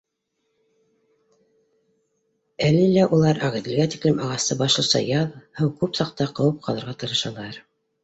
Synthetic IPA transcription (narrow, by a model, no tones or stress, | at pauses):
ælːilæʔulˠɑɾʔɑʁɘ̆ðɘ̆lɡæt̪iklɘmɑʁɑst̪ɤbɑʃlˠɤ̆sɑ̰jɑðhɤwkʉpsɑq̚t̪ɑqɤ̆wɤp̚qʰɑlˠɤ̆ɾʁɑt̪ɤ̆ɾɤ̆ʃɑlˠɑɾ